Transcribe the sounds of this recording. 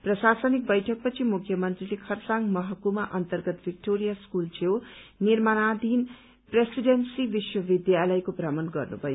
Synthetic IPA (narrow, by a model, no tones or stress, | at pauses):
prʌsasʌnik̚bʌjʈʰʌk̚pʌt͡sʰimukʰːjʌmʌnt̪rilekʰʌrsaŋmʌɦʌkumaʔʌnt̪ʌrɡʌt̪bik̚ʈoɾijaskult͡sʰewnirmanad̪ʱin | presiɖensibiswʌbid̪jalʌjkoprʌmʌnɡʌ̰rnṵbʱʌjo